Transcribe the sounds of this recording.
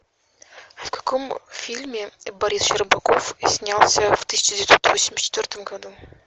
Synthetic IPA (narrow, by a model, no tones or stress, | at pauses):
fkɐ̥komfʲilʲmʲɪbɐɾʲisʃəɾbɐkofsʲnʲalˠsʲəft̪ɨsʲɪ̥t͡ɕɪdʲɪvʲɪt̪sot̪vosʲɪmʲɪsʲtʲt͡ɕːɪt̪vʲort̪əmɡɐd̪u